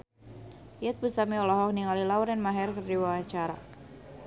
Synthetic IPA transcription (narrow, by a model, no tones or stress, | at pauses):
jɛt̪̚bust̪amiɔlɔɦɔk̚niŋalilauɾɛnmaɦɛrkərdiwawaɲt͡ʃaɾa̰